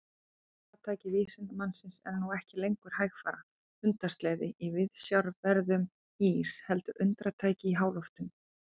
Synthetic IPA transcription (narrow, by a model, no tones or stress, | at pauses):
ʏnt̪ɾat̪ʰaːjcɪviːsɪnt̪amansɪnsɛ̰ɾnuɛhcɪlejŋkʏɾ̥hajxfaːɾa | ʏnt̪ḁst̪lɛːðɪʔivɪðsjaɾvɛɾðʏm | iːshɛlt̪ʏɾʔʏ̰nt̪ɾat̪ʰaːjcɪiɦaːwlɔft̪ʏm